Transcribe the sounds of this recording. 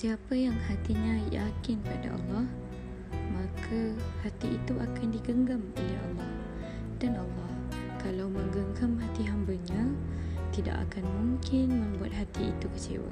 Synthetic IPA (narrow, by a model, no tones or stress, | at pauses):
siapəjaŋhat̪iɲaja̰kɪnpada̰ʔɑ̰lːɑh | makʰahat̪iʔit̪uʔakandiɡəŋɡamolɛɦɑ̰lːɑh | d̥anʔalːɑh | kalawmə̃ŋɡəŋɡamhat̪iɦambəɲãt̪ida̰ʔa̰kanmuŋkɪnmə̃mbua̰t̪̚ɦat̪iḭt̪ukət͡ʃḛwa̰